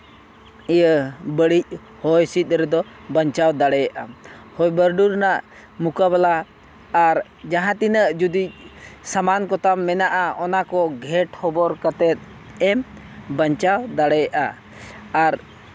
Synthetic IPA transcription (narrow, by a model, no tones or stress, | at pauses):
ijəbəɽic̚ | hɔjsit̪̚ɾɛd̪ɔ | bəɲt͡ʃawd̪aɽɛjaʔahɔjbəɾɖuɾnaʔ | mukaβalaː | ɾ | d͡ʒaɦãt̪inəʔd͡ʒud̪ic̚samankɔt̪amːɛnaʔaʔɔnakɔɡʱɛʈhɔbɔɾkət̪ɛt̪̚ | ɛm | bəɲt͡ʃawd̪aɽɛjaʔa | aɾ